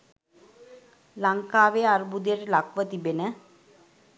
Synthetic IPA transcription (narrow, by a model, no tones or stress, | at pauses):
laŋkaːʋeaɾbud̪ijeɾilakʋət̪ibenə